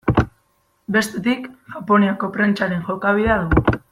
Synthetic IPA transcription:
be̞st̪e̞t̪ikʝapo̞neoko̞pɾent͡ʃaɾe̞ŋʝokaβiðeaðuɣu

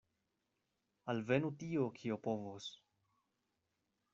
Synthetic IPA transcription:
alve̞nutiokʰiopovos

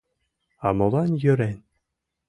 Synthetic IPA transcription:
ɑmŏlˠɑnjɵ̆ɾænʲ

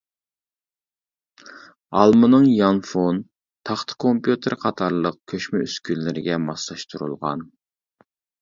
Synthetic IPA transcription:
ɑlˠmɨnɨŋjɑnfon | t̪ʰɑχt̪ʰɨ̥kʰompjut̪ʰəɾqʰɑt̪ʰɑɾlˠəq̚kʲʰøʃmɛyskʲynlːɪɾɪɡʲɛmɑslˠɑʃt̪ʰuɾṵlˠʁɑ̰n

